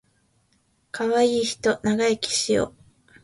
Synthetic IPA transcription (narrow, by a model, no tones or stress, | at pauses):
kʰaβaiːçi̥t̪o̞naɡaekʲi̥ɕio̰